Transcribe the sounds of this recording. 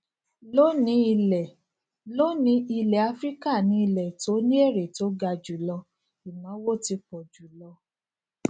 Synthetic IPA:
lo˦nĩ˧˦i˧lɛ˨ | lo˦nĩ˧˦i˧lɛ˨a˧˦fɾi˦ka˦˨nĩ˧˦i˧lɛ˨to˨˦nĩ˦e˦˨ɾe˨to˨˦ɡa˧d͡ʒu˨lɔ˧ | i˨mã˨˦wo˦˨ti˧k͡pɔ˨d͡ʒu˨lɔ˧

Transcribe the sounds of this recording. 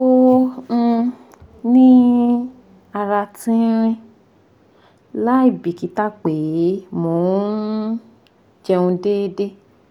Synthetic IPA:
õ˦˧ | nĩ˦ | a˧ɾa˧tĩ˦ɾ̃ĩ˦ | la˦i˦˨bi˨ki˨˦ta˦k͡pe˨˦mo˨˦ | d͡ʒɛ˧ũ˧deː˦de˦

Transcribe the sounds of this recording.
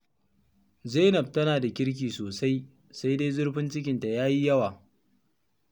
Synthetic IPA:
zeː˦nɐ˨b̚tɐ˦naː˨da˨kʲɪ˦ɽk̬ʲiː˨soː˨sa˦j | sa˦jde˦jzʊ˦ɽɸɪ˦nt͡ʃɪ˦k̬ʲɪ˨nta˨jaː˦ji˦jɐ˦waː˨

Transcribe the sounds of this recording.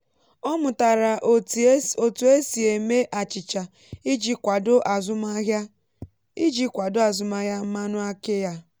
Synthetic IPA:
ɔ˦mʊ˨ta˨ɾa˨ | o˨tu˨˦e˦si˨e˨me˦ʔa˨t͡ʃɪ˨t͡ʃa˨ | i˦d͡ʒi˦kʷa˨dʊ˦ʔa˨zʊ˦ma˦ɦja˦ | i˦d͡ʒi˦kʷa˨dʊ˦a˨zʊ˦ma˦ɦja˦m̩˦ma˦nʊ˦a˦kɪ˦ja˦

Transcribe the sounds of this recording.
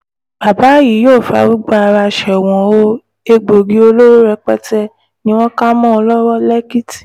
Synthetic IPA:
ba˨ba˨˦ji˨˦joː˦˨fa̰˨˧˦wu˦ɡ͡ba˦a˧ɾa˧ʃɛ˨w̃ɔ̃˨o˦ | e˧ɡ͡bo˨ɡi˦o˧lo˦ɾo˦ɾɛ˧k͡pɛ̰˦tɛ˦ | nĩ˦w̃ɔ̃˦ka˦mɔ̃˦ɔ˧lɔ˦wɔ˦lɛ˦ki˦ti̥˨

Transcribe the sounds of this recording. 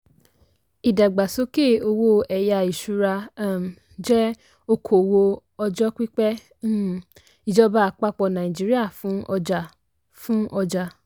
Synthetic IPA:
i˨da˨ɡ͡ba˨so˧˦ke˦˨o˧wo˦ɛ˨ja˧i˨ʃu˨˧ɾa˧˦˨ | d͡ʒɛ˦ | o˧kʰo˨wo˧ | ɔ˧d͡ʒɔ˦k͡pi˦k͡pɛ˦ | i˨d͡ʒɔ˦ba˦˨k͡pa˦k͡pɔ˧nã˨ĩ˨d͡ʒi˨˦ɾi˦a˦˨fũ˨˦ɔ˧d͡ʒa˧ | fũ˦ʔɔ˧d͡ʒa˧

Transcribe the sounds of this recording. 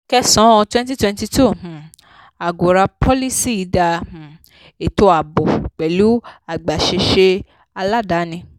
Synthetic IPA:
kɛ˧sɔ̃˨˦ɔ˧twɛ̃˦nt̬i˦twɛ̃˧nti˧tu˦˨h̩˨ | a˨ɡo˨ɾa˧pʰɔ˦li˦si˦i˧da˧h̩˨ | e˨to˧˦a˨bɔ˨k͡pɛ˨lu˨˦a˦˨ɡ͡ba˨ʃe˧ʃe˧ | a˧la˦da˨˦nĩ˧

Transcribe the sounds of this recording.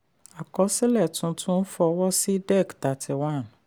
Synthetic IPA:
a˨kɔ˧˦si˦lɛ˦˨tũ˧˦tʰũ˦n̩˦fɔ˧wɔ˦si˦dɛ˦˨kta˨tʰi˧wã˦˨n

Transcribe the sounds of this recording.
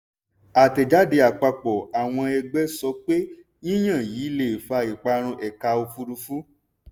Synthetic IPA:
a˨tɛ˨d͡ʒa˨˦de˧a˨k͡pa˧k͡pɔ˨a˨w̃ɔ̃˧ɛ˧ɡ͡bɛ˦sɔ˧˦k͡pe˦ | nĩ˦j̃ã˦˨jiː˨˦le˦˨fa˧i˨k͡pa˧ɾ̃ũ˧ʔɛ˨ka˧o˧fu˧ɾu˧fu˦

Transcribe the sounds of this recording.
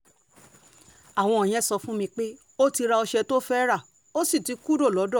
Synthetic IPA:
a˨w̃ɔ̃˧e˨j̃ɛ̃˦˨sɔ˧fũ˦mĩ˧k͡pe˦ | o˦ti˧ɾa˧ɔ˧ʃɛ˧to˦fɛ˦ɾa˦˨ | o˦si˦˨ti˨˦ku˦do˦˨lɔ˨˦dɔ̃˦˨

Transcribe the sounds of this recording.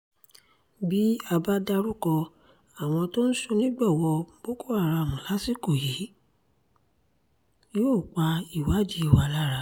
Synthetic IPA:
bi˦a˧ba˦da˧ɾu˦kɔ˧ | a˨w̃ɔ̃˧to˦n̩˦so˧nĩ˦ɡ͡bɔ˦˨wɔ˧b̥o˦ko˦a˦˨ɾa˧˨mɔ̃˨la˦si˦˨ko˦˨je˨˦ | joː˦˨k͡pa˧i˦˨wa˨˦d͡ʒi˨˦˨wa˧la˦ɾa˧˦

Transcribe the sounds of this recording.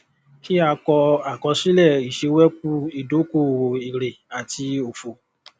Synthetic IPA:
ki˦a˧kɔ˧a˨kɔ˧si˦lɛ˦˨i˨ʃe˧wɛ˦kũ˦i˨do˨˦ko˦˨o˨i˨ɾe˨a˨ti˧o˨fo˨

